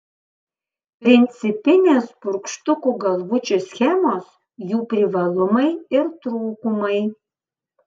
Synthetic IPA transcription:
pʲɾʲɪnʲt̪sʲɪpʲɪnʲeːspʊɾkʃt̪ʊkuːɡɐlˠʋʊt͡ʃʲusʲxʲɛmoːs | juːpʲɾʲɪʋɐlˠʊmɐɪɪɾt̪ɾuːkʊmɐɪ

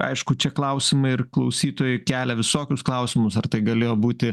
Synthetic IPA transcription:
ɐ̰ɪʃkʊt͡ʃʲɛklˠɐʊsʲɪmɐɪɪrklˠɐʊsʲiːt̪oːjʊkʲæːlʲɛʋʲɪsoːkʲʊsklˠɐʊsʲɪmʊsɐrt̪ɐɪɡɐlʲeːjoːbuːt̪ʲɪ

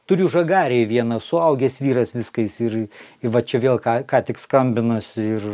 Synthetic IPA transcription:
t̪ʊɾʲʊʒɐɡɑːɾʲeʋʲiɛnɐsʊɐʊɡʲɛsʋʲiːɾɐsʋʲɪskɐɪsɪrɪʋɐt͡ʃʲɛʋʲeːlˠkɑːkɑːt̪ʲɪkskɐmʲbʲɪnɐsʲɪɪr

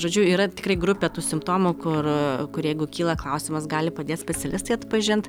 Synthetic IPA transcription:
ʒoːd͡ʒʲʊiːɾɐt̪ʲɪkrɐɪɡɾʊpʲet̪uːsʲɪmpt̪oːmʊkʊrkʊɾjɛɪɡʊkʲiːlˠɐklˠɐʊsʲɪmɐsɡɑːlʲɪpɐd̪ʲeːt̪sʲpʲɛsʲɛlʲɪst̪ɐɪɐt̪pɐʒʲɪnt̪

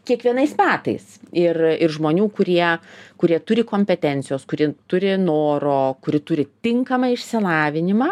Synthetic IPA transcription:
kʲiɛkʋʲiɛnɐɪsmʲæːt̪ɐ̰ɪsɪrɪrʒmoːnʲuːkʊɾʲiɛkʊɾʲiɛt̪ʊɾʲɪkoːmʲpʲɛt̪ʲɛnʲt̪sʲɪjoːskʊɾʲɪt̪ʊɾʲɪnoːɾoːkʊɾʲɪt̪ʊɾʲɪt̪ʲɪŋkɐmɐɪʃʲsʲɪlˠɑːʋʲɪnʲɪmɑː

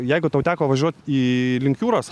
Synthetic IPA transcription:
jɛɪɡʊt̪ɐʊt̪ʲæːkoːʋɐʒʲuɔt̪iːlʲɪŋkjuːɾoːs

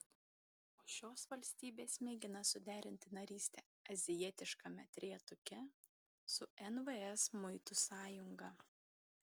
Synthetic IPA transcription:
oːʃʲoːsʋɐlʲsʲt̪ʲiːbʲeːsmʲeːɡʲɪnɐsʊd̪ʲæːɾʲɪnʲt̪ʲɪnɐɾʲiːsʲt̪ʲɛ | ɐzʲɪjiɛt̪ʲɪʃkɐmʲɛt̪ʲɾʲiːt̪ʊkʲɛ | sʊɛnʋɛɛsmʊɪt̪ʊsɑːjʊŋɡɐː

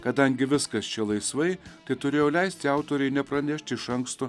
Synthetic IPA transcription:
kɐd̪ɐŋʲɡʲɪʋʲɪskɐst͡ʃʲɛlˠɐɪsʋɐɪt̪ɐɪt̪ʊɾʲeːjolʲɛɪsʲt̪ʲɪɑˑʊt̪oːɾʲɛɪnʲɛpɾɐnʲɛʃʲt̪ʲɪʃɐŋkst̪o

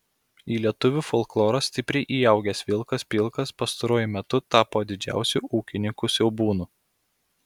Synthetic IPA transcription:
iːlʲiɛt̪ʊʋʲufoːlˠklˠoːɾɐsʲt̪ʲɪpʲɾʲɛɪʔiːjɛˑʊɡʲɛsʋʲɪlˠkɐspʲilˠkɐspɐst̪ɐɾuɔjʊmʲɛt̪ʊt̪ɑːpoːd̪ʲɪd͡ʒʲæ̰ˑʊsʲuʔuːkʲɪnʲɪŋkusʲɛʊbuːnuː

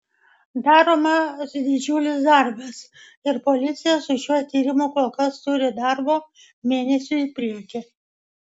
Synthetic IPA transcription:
d̪ɑːɾoːmɐsd̪ʲɪd͡ʒʲʊlʲɪsd̪ɐˑɾbɐs | ɪɾpɔlʲɪt̪sʲɪjɛsʊʃʲuɔt̪ʲiːɾʲɪmʊkoːlˠkɐst̪ʊɾʲɪd̪ɑɾboː | mʲeːnʲɛsʲʊɪpʲɾʲiɛkʲɪ

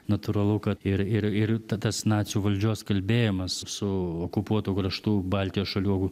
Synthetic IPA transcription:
nɐt̪ʊɾɐlˠʊkɐt̪ɪɾɪɾɪɾt̪ɐt̪ɐsnɑːt̪sʲjuːʋɐlʲd͡ʒʲuɔskɐlʲbʲeːjɪmɐssʊoːkʊpuɔt̪uːkɾɐʃt̪uːbɑlʲt̪ʲɪjoːsʃɐlʲuɔɡʊ

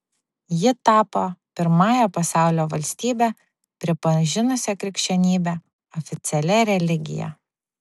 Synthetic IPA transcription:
jɪt̪ɑːpopʲɪɾmɑːjɛpɐsɑˑʊlʲoːʋɐlʲsʲt̪ʲiːbʲɛ | pʲɾʲɪpɐʒʲɪnʊsʲɛkɾʲɪkʲʃʲt͡ʃʲɛnʲiːbʲɛ | ɔfʲɪt̪sʲɛlʲɛɾʲɛlʲɪɡʲɪ̰jɛ̰

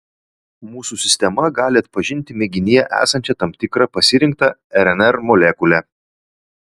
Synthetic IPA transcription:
muːsusʲɪsʲt̪ʲɛmɐɡɑːlʲɪɐt̪̚pɐʒʲɪnʲt̪ʲɪmʲɛɡʲɪnʲɪjɛʔæ̰ːsɐnʲt͡ʃʲɛt̪ɐmt̪ʲɪkɾɐpɐsʲɪɾʲɪŋk̚t̪ɐɛɾɛnʲɛɾmɔlʲɛkʊlʲɛ

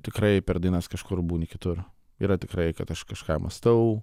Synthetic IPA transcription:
t̪ʲɪkɾɐɪpʲɛɾd̪ʲinɐskɐʃkʊrbuːnʲɪkʲɪt̪ʊr | ḭːɾɐt̪ʲɪkɾɐɪkɐt̪ɐʃkɐʃkɑːmɐ̰st̪ɐʊ

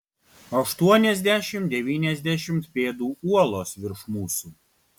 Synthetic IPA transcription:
ɐʃt̪uɔnʲɛzʲd̪ʲæʃʲɪmt̪d̪ʲɛʋʲiːnʲɛzʲd̪ʲæʃʲɪmt̪pʲeːd̪uːuɔlˠoːsʋʲɪɾʃmuːsuː

